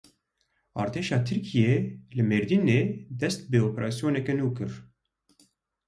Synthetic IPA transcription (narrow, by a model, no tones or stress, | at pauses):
ɑ̰ːɾt̪ʰeːʃɑːt̪ʰɨɾkʰijeːlɨmeɾd̪ineːd̪ɛst̪̚bɨoːpɛɾɑːsijoːnɛkɛnuːkɨɾ